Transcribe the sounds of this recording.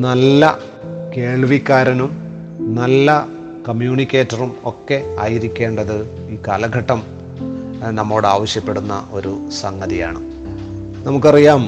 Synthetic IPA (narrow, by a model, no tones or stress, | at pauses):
nɐlːɐ | ke̞ːɭʋikːaːɾɐnum | nɐlːɐ | kɐmjuːɳikʲːe̞ːtːɐrumo̞kːe̞aːjiɾikʲːe̞ːɳɖɐðɨ | iːkaːlɐɡʱɐʈːɐm | nɐmːo̞ːɽaːʋɐɕjɐpːe̞ɽunːɐ̰ʔo̞ɾusɐŋɡɐðijaːɳɨ | nɐmuk̬ːɨɐrijaːm